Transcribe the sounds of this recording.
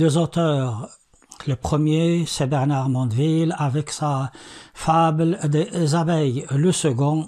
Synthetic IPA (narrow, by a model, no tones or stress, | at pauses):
d̪øzot̪œːʁ | ləpχəmjesɛbɛʁnaʁmɑ̃d̪vilavɛksafabld̪ezabɛjləsəɡɔ̃